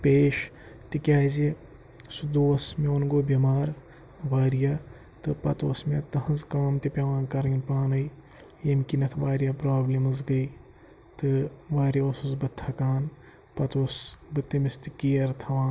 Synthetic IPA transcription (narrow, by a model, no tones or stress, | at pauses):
peːʃ | t̪ikʲjaːze | sud̪uːɐsmeonɡoːbɐmaːɾ | ʋaːɾija | t̪ɨpɐ̰t̪oːsmʲet̪ɐɦɐzkɐːmt̪ipʲɐʋãːnkɐɾɐnpaːnɐi | jemkinɐt̪ʰʋaːɾjaːpɾaːblemɐzɡɐi | t̪ɨʋaːɾjɐɐsuzbɐt̪ʰːɐkaːn | pɐt̪oːsbɨt̪ːimist̪ikiːɐɾt̪ʰɐʋãːn